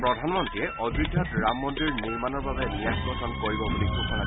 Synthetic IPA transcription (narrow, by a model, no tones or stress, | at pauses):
pɹɔdʱanmɔntɹijɛʔɔdɹidʱːɔtɹamːɔntɹiɹniɹmanɔɹbabɛnijakbɔsʰɔnkoɹibɔbulikukʰɔna